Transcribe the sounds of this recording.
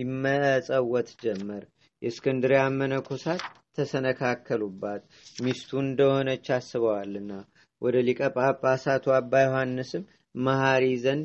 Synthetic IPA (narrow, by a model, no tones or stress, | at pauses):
ɪmːəʔsʼəwːɔt̪ʼd͡ʒɛmːəɾ | jɛskʰɨnd̪ɨɾamːənəkʰosat̪ʰː | əsənəkʰakʰːəlubːat̪ | mist̪ʰuɨnd̪əho̞nət͡ʃːasːɨβəwalːɨnːa | wʔɔd̪əlikʼəpʼabasat̪ʰuabːajohanːɨsɨm | mahaɾizənd̪